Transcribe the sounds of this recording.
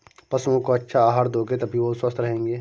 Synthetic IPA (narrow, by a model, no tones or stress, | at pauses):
pɐsõkoɐtːʃʰaaːɦaɾd̪ʱoːɡet̪ɐbʱiʋoswəst̪ɾɐɦẽːŋɡeː